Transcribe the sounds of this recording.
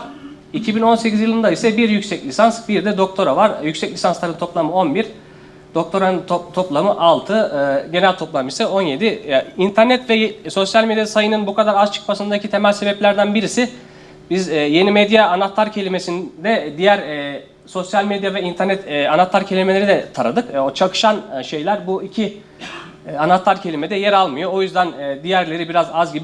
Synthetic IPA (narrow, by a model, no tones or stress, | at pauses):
icʰibino̞nse̞cʰizjɯlˠɯnd̪aisɛbiɾjycsɛclʲisansbiɾd̪ɛd̪o̞k̚t̪ʰo̞ɾavaɾjycsɛclʲisanslˠaɾɯnt̪ʰo̞plˠamɯo̞nbiɾ | d̪̥o̞k̚t̪ʰo̞ɾanɯot̪ʰo̞plˠamɯʔalˠt̪ʰɯɟe̞nælʲt̪ʰo̞plˠamɯisɛo̞nje̞d̪iint̪ʰæɾnɛt̪vɛjso̞sjalʲme̞d̪jasajɯnɯnbukʰad̪aɾazt͡ʃʰɯ̥kmasɯnd̪acʰit̪ʰe̞mælʲse̞bɛplʲæɾd̪ænbiɾisi | bizːje̞nimed̪jaːnat̪lˠaɾcʰe̞lʲime̞sind̪ɛd̪ijæɾɛ | so̞sjalʲmed̪javɛint̪ʰæɾnɛt̪ːanat̪lˠaɾcʰe̞lʲime̞lʲeɾid̪ɛt̪ʰaɾad̪ɯkot͡ʃʰakʰɯ̥ʃanʃe̞jlʲæɾbuicʰi | anat̪lˠaɾcʰe̞lʲimed̪ɛjɛɾalˠmɯjo̞ojyzd̪ænːd̪ijæɾlʲe̞ɾibiɾazazɟibi